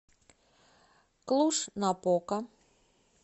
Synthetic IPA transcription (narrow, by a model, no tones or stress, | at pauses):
klˠuʃnapɔka